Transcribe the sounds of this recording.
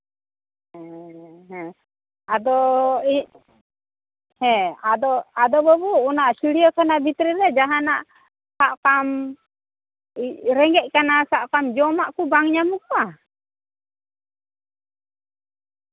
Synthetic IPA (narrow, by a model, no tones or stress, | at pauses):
ɛɦɛ̃ | ad̪ɔi | hɛ̃ad̪ɔad̪ɔbɔbɔːnaʔsiɽiɔkanabit̪ɾiɾɛd͡ʒaɦanaʔ | saʔkam | iɾɛŋɡɛʔ̚kanasaʔkamd͡ʒɔmaʔkubaŋɲamukɔwa